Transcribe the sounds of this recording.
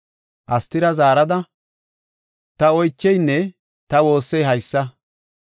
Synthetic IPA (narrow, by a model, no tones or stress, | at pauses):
ʔɐst̪ːɪɾɐzaːɾɐd̪ɐ | t̪ɐɔjt͡ʃːɛjnːɛ | t̪ɐwo̞ːsːɛjɦɐjsːɐ